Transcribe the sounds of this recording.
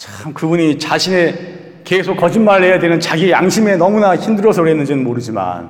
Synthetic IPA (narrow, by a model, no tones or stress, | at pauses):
t͡ɕamkɯbuɲit͡ɕaɕʰine̞ | kesʰok͈ːʌd͡ʑinmaɭːe̞jadwenɯnt͡ɕaɡiejaŋɕʰime̞nʌmunaçimdɯɾʌsʰʌɾɦe̞nːɯnd͡ʑinɯnmoɾɯd͡ʑima̰n